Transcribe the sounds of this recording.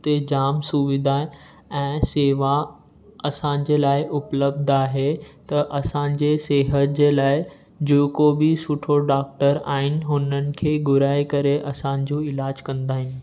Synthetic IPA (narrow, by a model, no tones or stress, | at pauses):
t̪ed͡ʑaːmsʊʋɪd̪ʱae | ɛ̃ːseːʋa | ɐsãːɲ̆d͡ʑeːlaːɪʔʊpləb̚d̪aːɦet̪ɐʔɐsãːɲd͡ʑeseːɦət̪̚d͡ʑeːlaːɪ | d͡ʑoːkobɪsʊʈʰoɖaːk̚ʈəɾa̰ːɦɪnɪ̆ɦʊnənɪ̆kʰeːɡʊɾaːekɐɾeʔɐsãɲ̆d͡ʑoːɪlaːd͡ʑkɐ̃nd̪aːɦɪnɪ̆